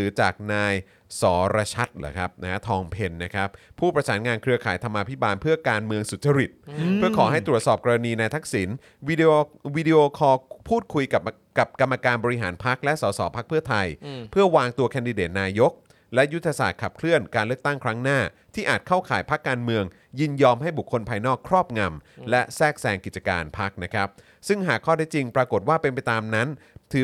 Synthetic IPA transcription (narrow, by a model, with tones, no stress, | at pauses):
ɯː˩˦t͡ɕaː˨˩k̚naː˧j | sɔː˩˦ɾa˧t͡ɕʰa˦˥t̪̚la̰ː˨˩kʰa˦˥p̚na˦˥a˦˥t̪ʰɔː˧ŋpʰe˧nːa˦˥kʰa˦˥p̚ʰːuː˥˩pɾa˧saː˩˦nŋaː˧nkʰɾɯ˧əkʰaː˩˦jt̪ʰa˧mːʔaː˧pʰi˦˥baː˧npʰɯ˥˩ɐkaː˧nmɯ˧əŋsu˨˩t̪̚t͡ɕa˧ɾi˨˩t̪̚pʰɯ˥˩ɐkʰɔː˩˦ɦa˥˩jt̪ɾu˨˩ət̪̚sɔː˨˩p̚ka˧ɾa˧niː˧naː˧jt̪ʰa˦˥k̚si˩˦n | wi˧doː˧wiː˦˧di˧ʔoː˧kʰɔː˧pʰuː˥˩t̪̚kʰu˧jka˨˩ | ka˨˩p̚ka˧mːa˧kaː˧nbɔː˧ɾi˦˥ɦa̰ː˩˦npʰa˦˥k̚lɛ˦˥ʔsɔː˩˦sɔ̰ː˩˦pʰa˦˥k̚pʰɯ˥˩ɐt̪ʰa˧jpʰɯ˥˩ɐwaː˧ŋt̪u˧ɐkʰɛː˧ndi˧deː˨˩t̪̚naː˧jo˦˥k̚ | lɛ˦˥ju˦˥t̪ʰːa˧saː˨˩t̪̚kʰa˨˩p̚kʰlɯ˥˩ənkaː˧nlɯ˥˩ək̚t̪a˥˩ŋkʰɾa˦˥ŋnaː˥˩ | t̪ʰiː˥˩ʔaː˨˩t̪̚kʰa˥˩wkʰa̰ː˩˦jpʰa˦˥kːaː˧nmɯ˧əŋ | ji˥˩njɔː˧mhɦa˥˩jbu˨˩kʰːo˧npʰaː˧jnɔː˥˩kʰːɾɔː˥˩p̚ŋa˧mlɛ˦˥sɛː˥˩k̚sɛː˧ŋki˨˩t̪̚t͡ɕa˧ka̰ː˧npʰa˦˥k̚na˦˥kʰa˦˥p̚ | sɯ˥˩ŋɦaː˨˩kʰːɔː˥˩tʰɛ˦˥t͡ɕi˧ŋpɾaː˧ko˨˩t̪̚waː˥˩pe˧np̬a˧jt̪aː˧mna˦˥nt̪ʰɯː˨˦